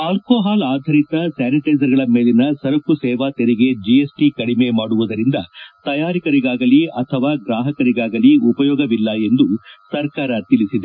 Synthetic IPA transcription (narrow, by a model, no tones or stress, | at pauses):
aːlkoːɦaːlaːd̪ʱɐɾit̪ɐsaːniʈɐjzɐɾɡɐɭɐme̞ːlinɐsɐɾɐkːusɛːʋaːt̪eɾiɡe̞d͡ʒiesʈikɐɽimemaːɽuʋud̪ɐɾind̪ɐt̪ɐjaːɾikɐɾiɡaːɡɐliɐt̪ʰɐʋaːɡɾaːɦɐkɐɾiɡaːɡɐliupɐjɔːɡɐʋilːɐe̞nd̪usɐɾkaːɾɐt̪ilisid̪e